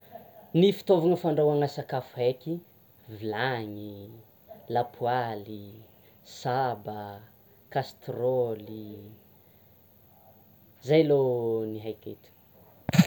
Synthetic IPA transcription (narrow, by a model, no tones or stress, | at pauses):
nifi̥t̪ovaŋəfaɳɖ͡ʐawaŋasakafuhekʲi | vilaɲi | lapʰuali | sabə | kast̪roli | zajloniɦajkḛt̪ə̥